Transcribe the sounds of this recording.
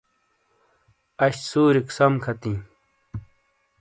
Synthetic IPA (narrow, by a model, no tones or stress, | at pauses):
ɐɕsuːɾiksɐmkʰɐt̪ĩː